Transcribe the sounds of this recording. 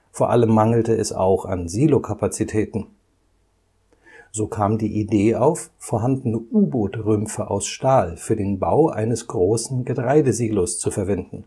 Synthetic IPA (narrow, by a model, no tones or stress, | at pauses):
foːɐʔa̰ləmːaŋl̩təɛsa̰ʊxa̰nziːlokʰapat͡sitʰɛːtn̩ | z̥oːkʰaːmdiːʔideːaʊffoːɐɦandənəʔuːboːtʁʏmfəʔa̰ʊsʃtaːlfyːɐdeːnba̰ʊʔa̰ɪnəsɡ̥ʁoːsn̩ɡətʁ̥aɪdəziːlost͡sufɛɐvɛndn̩